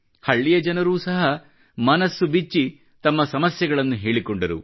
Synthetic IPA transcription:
hɐɭːijɐd͡ʒɐnɐɾuːsɐɦɐ | mɐnɐsːubit͡ʃːi | t̪ɐmːɐsɐmɐsjɐɡɐɭɐnːuɦe̞ːɭikoɳɖɐɾṵ

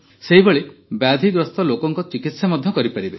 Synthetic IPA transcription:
seɦibeɭebad̪ʱiɡɾɔst̪ɔlokɔŋkɔt͡ʃikit̪samɔd̪ʱjɔkɔɾipaɾibe

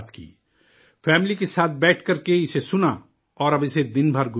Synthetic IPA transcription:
t̪ʰkḭː | fʰɛːmlikesaːt̪̚ʰbɛːʈʰkɐɾkeɪsesʊna | ɔːɾɐbɪsed̪ɪnbʱɐɾɡʊ

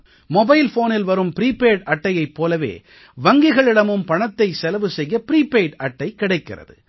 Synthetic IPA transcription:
mɔbɐɪlfoːnɪlʋɐɾɯmpɪɾiːpeːɖɐʈːɐjɐɪpːoːlɐʋḛː | ʋɐŋɡɪɣɐɭɪɽɐmɯmpɐɳɐt̪ːɐɪsɛlɐʋɯsɛjːɐpɪɾiːpeːɖɐʈːɐɪkːɪɽɐɪkːɪ̰rɐ̰ðɯ̰

